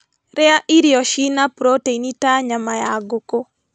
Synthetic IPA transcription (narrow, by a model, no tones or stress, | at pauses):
ɾɛaʔiɾjɔʃinapɾoteinitaɲamajaɡoko